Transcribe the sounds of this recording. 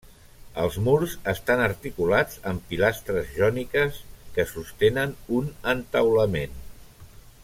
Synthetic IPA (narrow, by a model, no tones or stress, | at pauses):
əlˠzmuɾzəst̪anəɾt̪ikulad͡zəmpilast̪ɾəzʒɔnikəskəsust̪enənunənt̪əwləmen